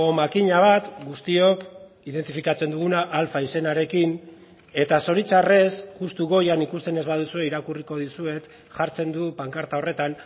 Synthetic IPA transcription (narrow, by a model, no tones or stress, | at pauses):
o̞makiɲaβ̞at̪ɡust̪io̞k | iðe̞nt̪ifikat͡se̞nd̪uɣ̞unaʔːlfaise̞naɾe̞kin | e̞t̪aso̞ɾit͡sare̞sʝust̪uɣo̞janikust̪e̞ne̞zβað̞usue̞iɾakuriko̞ðisue̞t̪ | ʝaɾt͡se̞nd̪upaŋkaɾt̪ao̞re̞t̪an